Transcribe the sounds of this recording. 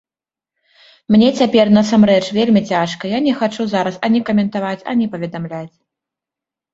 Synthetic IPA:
mnʲɛt͡sʲapʲɛrnɐsamrɛt͡ʂvʲelʲmʲit͡sʲaʂkɐjanʲɛxat͡ʂuzaɾɐsɐnʲɛkɐmʲɛnt̪avat͡sʲɐ̰nʲɛpɐvʲɛd̪amlʲat͡sʲ

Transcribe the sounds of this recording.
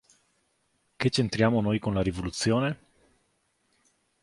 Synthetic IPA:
ket͡ʃːent̪ɾjaːmonojkonlaɾivolut̪sːjoːne

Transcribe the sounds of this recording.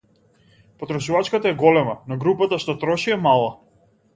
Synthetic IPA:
pɔt̪ɾɔʃuvat͡ʃkat̪aɛɡɔlɛmanaɡɾupat̪aʃt̪ɔt̪ɾɔʃiamalˠa

